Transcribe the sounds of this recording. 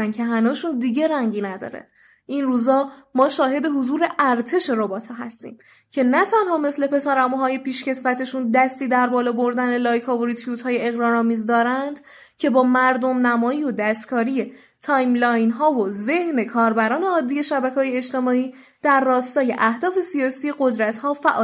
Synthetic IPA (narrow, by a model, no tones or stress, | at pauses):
ncʰe̞ɦænuːʃund̪iɟe̞ɾæŋɟiːnæd̪ɒ̰ːɾḛ | ʔinruːzɒːmɒːʃɒːɦe̞d̪e̞ɦozuːɾe̞ʔæɾt̪ʰe̞ʃe̞ɾobɒːt̪ʰhɒːɦæ̰st̪ḭːm | cʰe̞næt̪ʰænhɒːme̞sle̞pʰe̞sæɾæmɦɒːje̞pʰiːʃce̞sfæt̪ʰe̞ʃund̪æst̪iːd̪æɾbɒːlɒːbo̞ɾd̪æne̞lɒːjkʰɒːvoɾit̪ʰjut̪hɒːjeeɣɾɒːɾɒːmiːzd̪ɒːɾænd̪ | cʰe̞bɒːmæɾd̪o̞mnæmɒːiːod̪æst̪kʰɒːɾije̞ | t̪ʰɒːjmlɒːjnɦɒːvoze̞hne̞kʰɒːɾbæɾɒːne̞ɒːd̪ːiːje̞ʃæbækʰɒːjeet͡ʃt̪e̞mɒːiː | d̪̥æɾːɒːst̪ɒːje̞ʔæhd̪ɒːfe̞sijɒːsiːeɢo̞d̪ɾæt̪hɒːfæʔɒː